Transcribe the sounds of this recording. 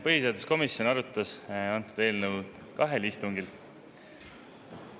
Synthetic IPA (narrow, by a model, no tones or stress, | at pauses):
pɤɦiseːd̪esko̞misjo̞nɑɾut̪ːˑɑsɑnt̪ˑud̪̥e̞ːlnəw | kɑɦe̞list̪uŋɡil